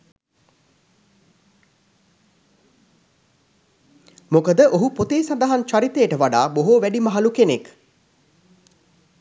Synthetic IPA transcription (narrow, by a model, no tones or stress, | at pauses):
mokəd̪əʔoɦupot̪eːsand̪əɦant͡ʃaɾit̪ejəʈəʋaɖa̰ːboɦoʋæɖimaɦalukenek